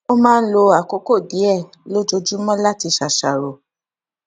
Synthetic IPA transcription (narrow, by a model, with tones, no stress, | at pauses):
o˦mãː˦˧n̩˦lo˧a˨ko˨˦ko˦˨di˨˦ɛ˦˨ | lo˦d͡ʒo˧d͡ʒu˦mɔ̃˦la˦ti˧ʃa˨ʃa˨ɾo˨